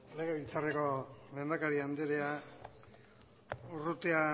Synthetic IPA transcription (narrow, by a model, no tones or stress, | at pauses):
leɣeβilt͡sareko̞me̞nd̪akaɾiand̪eɾea | urut̪ea